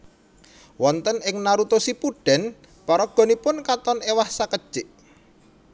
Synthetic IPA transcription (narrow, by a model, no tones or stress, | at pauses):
wɔnt̪ənɪŋnaɾut̪osipuɖ̥ɛ̤n | pɔɾɔɡ̥ɔ̤nipʊnkat̪ɔnewahsakəd̥ʒ̥ɪʔ